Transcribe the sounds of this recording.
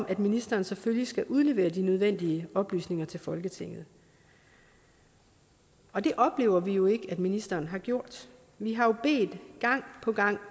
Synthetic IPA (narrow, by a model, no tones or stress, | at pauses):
mʔæd̥minisd̥ɐːnseføljisɡ̥æʔuð̞ˠle̝ʋe̝̰ːɐd̥inøð̞ˠʋen̰d̥iəɒ̽b̥ly̰ːsne̝ŋɐt͡sʰe̝lfɒ̽lɡ̥ət͡sʰe̝ŋ̰ð̩ˠ | ɒ̽d̥e̝ʔɒ̽b̥le̝̰ːʊɐʋijo̝e̝ɡ̥əæd̥minisd̥ɐːn̩ɦɑ̈ɡ̥jo̝ɐ̰d̥ | ʋiɦɑ̈jo̝b̥e̝̰ːd̥ɡ̥ɑ̈ŋ̰pʰɒ̽ɡ̥ɑ̈ŋ̰